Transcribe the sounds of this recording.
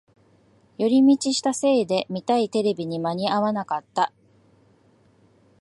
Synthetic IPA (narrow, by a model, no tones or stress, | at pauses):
jo̞ɾʲimʲit͡ɕiɕi̥t̪ase̞ːd̪e̞mʲit̪ait̪e̞ɾe̞bʲiɲ̟imaɲ̟iaβanakat̪ːa